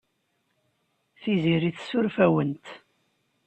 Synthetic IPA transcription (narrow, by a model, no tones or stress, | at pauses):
θiziɾiθsʊɾfæwənt̪